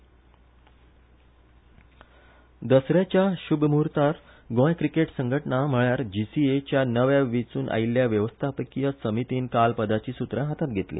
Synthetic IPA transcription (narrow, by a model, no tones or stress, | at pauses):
d̪əsɾjat͡ɕjaɕubʱmuɾt̪aɾ | ɡõjkɾikeʈsəŋɡʱəʈɳam̤əɭjaɾd͡ʑisiet͡ɕjanəʋjaʋit͡suːnʔa̰ilːjaʋjəʋəst̪ʰapəkijəsəmit̪iːnkalpəd̪at͡ɕiːsut̪ɾəɦat̪at̪̚ɡʱet̪lḭː